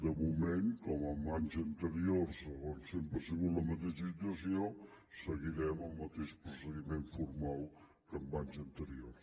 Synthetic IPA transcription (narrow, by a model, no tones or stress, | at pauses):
d̪əmumeŋkɔməmbaɲzənt̪əɾioɾsəɣonsempəsiβulləmət̪eʃəsit̪uəsio | səɣiɾɛməlˠmət̪eʃpɾusəðimeɱfuɾmalˠ | kəmbaɲzənt̪əɾioɾ